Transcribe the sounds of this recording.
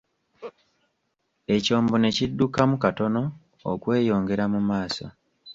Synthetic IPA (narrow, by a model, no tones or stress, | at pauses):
e̞co̞ːmbone̞cidːukamukato̞no̞̰ː | kwe̞ːjo̞ːŋɡe̞ɾamumaːso̞̰